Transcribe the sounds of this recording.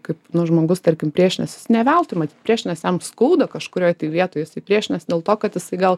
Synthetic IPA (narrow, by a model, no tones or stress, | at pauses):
kɐɪpnʊʒmoːɡʊst̪ɐɾʲkʲɪmpʲɾʲiɛʃʲnʲɛsʲɪsnʲɛʋʲælˠt̪ɪmɐt̪ʲiːt̪̚pʲɾʲiɛʃʲnʲɛsjɛmskɐʊd̪ɐkɐʃkʊɾʲoːjt̪ʲiɪʋʲiɛt̪oːjjɪsɐɪpʲɾʲiɛʃʲnʲɛsd̪ʲeːlˠt̪oːkɐt̪jɪsɐɪɡɐlˠ